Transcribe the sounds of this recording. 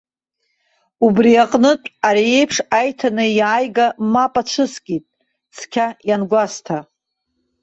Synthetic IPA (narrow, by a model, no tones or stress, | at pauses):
ubriaqʼnɨtʼaɾie̞jpʰʂajtʰanɨjaːjɡamapʼat͡ʃʷʰɨskʲʼitʼ | skʲʰajanɡʷastʰa